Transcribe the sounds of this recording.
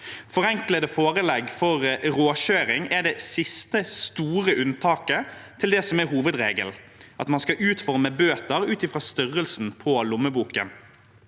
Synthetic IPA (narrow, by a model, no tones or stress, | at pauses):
fɔɾɛŋkləd̪əfoːʁəlɛɡfɔʁɾoːɕøːɾɪŋæɖ̪ɛsɪst̪əst̪uːʁəʔʉnt̪ʰɑːkət̪ʰɪld̪ɛsɔmɛɾɦuːʋəd̪ʁeːɡə̰l | ʔɑt̪mɑnskɑʔʉːt̪fɔʁməbøːt̪əʁʉːt̪ɪfʁɑːst̪ʏʁəlsn̩pʰɔlʊməbuːkə̰n